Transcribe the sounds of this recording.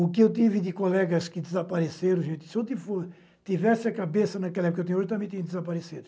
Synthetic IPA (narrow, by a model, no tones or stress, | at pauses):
ʊkɪewt̪̬ivɪd̪ɪkolɛɡɐskɪd̪ɪzɐpaɾeseɾɐ̃ʒẽnt̪ɪ̥sɪewt̪ivfos | t̪ivɛsɪɐkabesɐnɐkɛlɐɛpkɐewt̪iɲ̃ũoʒɪt̪ɐmẽj̃t̪ĩɲ̃d̪ɪzɐpaɾesed̪ʊ